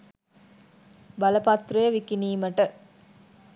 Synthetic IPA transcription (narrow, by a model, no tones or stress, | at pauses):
bɐləpat̪ːɾujəʋikiniːməʈə